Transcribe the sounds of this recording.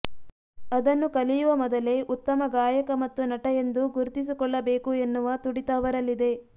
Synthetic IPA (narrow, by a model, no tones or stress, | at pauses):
ɐd̪ɐnːukɐlijuʋɐmɔd̪ɐle̞ʔut̪ːɐmɐɡaːjɐkɐmɐt̪ːunɐʈɐje̞nd̪uɡuɾt̪is̬ikɔɭːɐbeːkue̞nːuʋɐt̪uɽit̪ɐːʋɐɾɐlːid̪e̞